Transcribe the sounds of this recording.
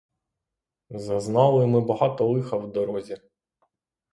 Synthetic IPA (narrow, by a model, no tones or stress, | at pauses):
zɐznɑlˠɪjmɪbɐɦɑt̪ɔlˠɪxɐwd̪ɔɾɔzʲi